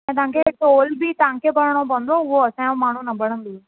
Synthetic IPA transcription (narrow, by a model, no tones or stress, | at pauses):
mɛ̃ːt̪ãːŋkeʈoːlbʱit̪ãːŋkebəɽɽ̃obə̃nd̪ɾoʋoɐsãmaːɳ̤ũnɐbəɽ̤̃ə̃nd̪u